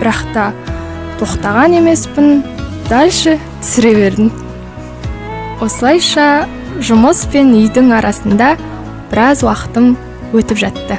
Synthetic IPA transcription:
b̥ɪɾɑqt̪ɑ | t̪ʰo̞qt̪ɑʁɑne̞me̞spɪnd̪̥ɑlʃət̪ʰʏ̥sɪɾe̞βe̞ɾd̪ɪŋ | wo̞səlˠɑjʃɑ | ʒʊməspe̞nʏjd̪ɪŋɑɾʔɑsənd̪ɑ | b̥ɪɾɑzwɑqə̥t̪əm | wɵt̪ɪpʒɑt̪ːə

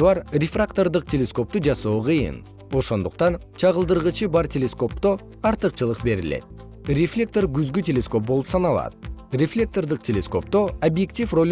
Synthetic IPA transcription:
ɑɾrʲefrakt̪o̞rd̪əq̚t̪ʲe̞lʲe̞sko̞p̚t̪ud͡ʒɑso̞ːqʰɯjɯ̰n | o̞ʃo̞nd̪uq̚t̪ɑn | t͡ʃʰɑʁəlˠd̪əɾʁət͡ʃɨbɑɾtʲelʲe̞sko̞p̚t̪o | ɑɾt̪əqt͡ʃɯlˠəqbe̞ɾɪ̰lḛt̪̚ | rʲeflʲe̞k̚t̪o̞rɡʲyzɡʲytʲe̞lʲesko̞p̚bo̞lˠupsɑnɑlˠɑ̰d̪rʲe̞flʲe̞k̚t̪o̞rd̪əq̚tʲʰe̞lʲe̞sko̞̰p̚t̪o̞obje̞k̚tʲifro̞lʲ

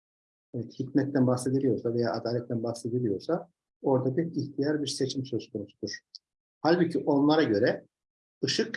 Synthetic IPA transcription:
evɛt̪hit̪ʲmɛt̪ːænbaxse̞d̪ilʲijo̞ɾsave̞ja̰ʔad̪aːlʲɛt̪ːʰænbaxse̞d̪ilʲijo̞ɾsa | o̞ɾd̪abiɾiçt̪ʰijaɾbiɾse̞t͡ʃʰimsø̞zkʰo̞nusud̪uɾ̥ | halʲbɯcʰiʔo̞nlˠaɾaɟø̞ɾɛ | ɯʃɯk

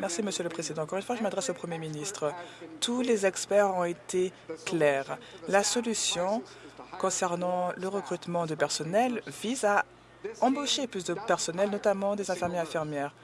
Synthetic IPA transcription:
mɛʁsiməsjøləpχezid̪ɑ̃ɑ̃kɔʁynfwaʒəmad̪ʁɛsopχəmjeminist̪χət̪ʰulezɛkspɛʁɔ̃et̪ʰeklɛːʁlasɔlysjɔ̃ | kɔ̃sɛʁnɑ̃ləʁəkχyt̪mɑ̃d̪əpɛʁsɔnɛlviza | ɑ̃boʃeplys̬d̪əpɛʁsɔnɛlnɔt̪amɑ̃d̪ezɛ̃fɛʁmjɛʁɛ̃fiʁmjɛːʁ

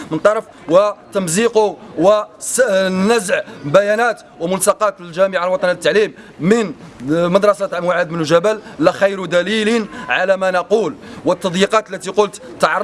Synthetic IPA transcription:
mənt̪ˤːɑɾˤɑf | wət̪əmziqowə | næzʕbæjænæt̪ | wəmʊnsɑqɑt̪ilʒæməʕalwɑt̪ˤɑnilət̪ːaʕlimː | ənmɑd̪ɾˤɑsæt̪ʕmwaʕad̪mənʒæbælːæxɑjɾd̪ælilnʕalæmænɑqulwət̪ːɑd̪ˤjiqɑt̪əlːæt̪iqʊlt̪t̪ːɑʕɑɾˤ

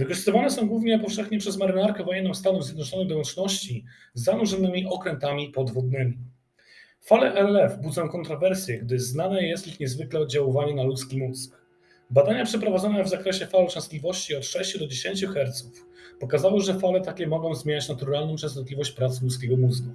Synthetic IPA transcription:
vɘkɔʐɨst̪ɨvanɛsɔ̃w̃ɡwuvɲɛpɔfʂɛxɲɛpʂɛzmaɾɘnaɾkɛvɔjɛnːɔ̃w̃st̪anuzjɛd̪nɔt͡ʂɔnɛd̪ɔwɔ̃nt͡ʂnɔɕt͡ɕi | zːanuʐɛnɘmʲiʔɔkɾɛnt̪amʲipɔd̪vɔd̪̚nɘmʲi | falɛʔɛɛvbud̪zɔ̃w̃kɔnt̪ɾɔvɛɾsʲjɛɡd̪ɘznanɛjɛst̪ixɲɛzvɘklɛɔd̪d͡ʑawɔvaɲinalut̪skʲimut̪sk | bad̪aɲapʂɛpɾɔvad̪zɔnɛvzakɾɛɕɛfalɛt͡ʂɛ̃st̪lʲivɔɕt͡ɕiɔt̪ʂɛɕt͡ɕud̪ɔd͡ʑeɕeɲt͡ɕuxɛɾt̪sufpɔkazawɨʐɛfalɛt̪akʲɛmɔɡɔ̃w̃zmʲeɲat͡ɕnat̪uɾalnɔ̃t͡ʂɛ̃sznɔt̪lʲivɔɕt͡ɕpɾat̪slut̪skʲeɡɔmuzɡu

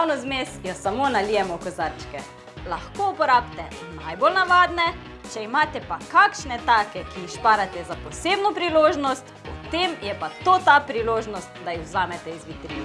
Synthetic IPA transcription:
awnɔzmesjɔsamoːnalijɛmɔkɔzaɾt͡ʃkɛ | laxkoupɔɾaːpt̪ɛ | najbolnaʋaːd̪nɛ | t͡ʃɛimaːt̪ɛpakakʃnɛt̪aːkɛkiixʃpaːɾat̪ɛzapɔseːbnɔpɾiloːʒnɔst̪pɔt̪emjɛpat̪oːt̪apɾiloːʒnɔst̪d̪ajixwzaːmɛt̪ɛizʋit̪ɾiː

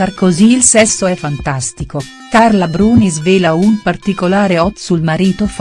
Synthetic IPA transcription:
arkoziːlsɛsːoɛfːant̪ast̪iko | karlabɾuːnizveːlaumpart̪ikolaːɾeɔt̪sulmaɾiːt̪of

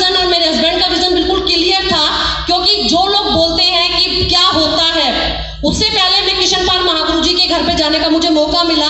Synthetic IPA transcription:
ənɔːɾmɛɾɐzbɛ̃ːɳɖkaʋɪzənbɪlkʊlkɪlijəɾt̪ʰa | kjõːkid͡ʒoːloːɡ̚boːlt̪eɦɛ̃kikjaːɦoːt̪aɦɛː | ʊssepɛɦlemɛ̃kɾɪʃənpaːɾmɐɦaːɡʊɾud͡ʒikeɡʱɐɾpẽd͡ʒaːnekamʊd͡ʒʱemɔːkamɪla

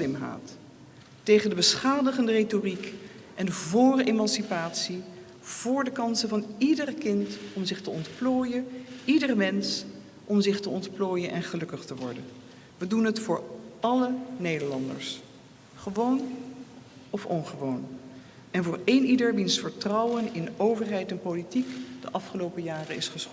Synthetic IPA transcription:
lɪmɦa̰ːtː | ejχəndəbəsχaːdəχəndəretorik | ʔɛndəvʊːrəʔemɑnsipaːtsi | v̥ʊːɹdəkɑnsəvɑnidərkɪntɔmzɪχtəɔntploːjənidərəmɛns | ʔɔmzɪχtəɔntploːjənʔɛnχəlɵkəχtəʋɔ̰ɹdən | ʋədunɦətfʊːɹɑlənejdəɹlɑndə̰ɹs | χəʋown | ɔfɔnχəʋown | ɛnvʊːɹejnʔidəɹʋinsfəɹtrɑwənɪnowvəɹɦɛjtɛnpolitikd̥əʔɑfχəlowpəjaːrənɪsχəsχ

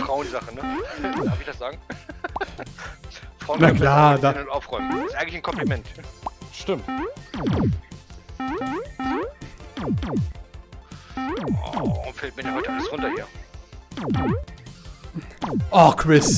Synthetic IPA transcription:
fʁ̥aʊənzaχənəaːfɪçd̥asz̥aːɡŋ̩ | fʁ̥aʊnnaklaːdanʊntʔaʊfʁɔʏməɪstʔaɪɡŋtlɪçnkʰɔmplimɛntʃtɪmt | ʁʊmfɛlt̚miɪɐdihɔʏtəʔaləsʁʊntɐheːɐ | ʔɔχkʰʁ̥ɪs

